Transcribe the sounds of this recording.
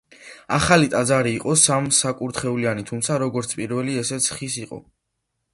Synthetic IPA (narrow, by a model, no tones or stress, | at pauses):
aχalit̪ʼad̪zaɾiːqʼɔsamsakʼuɾt̪ʰχɛulianit̪ʰumt̪sʰaɾɔɡɔɾt̪sʰpʼiɾvɛliɛsɛt̪sʰχisiqʼɔ̰